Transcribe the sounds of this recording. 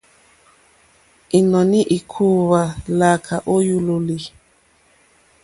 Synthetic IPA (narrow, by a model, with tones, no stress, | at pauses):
i˨nɔ˨ni˦ʔi˨kʰu˦βa˨la˨kʰa˨ʔo˦ju˦lo˨li˨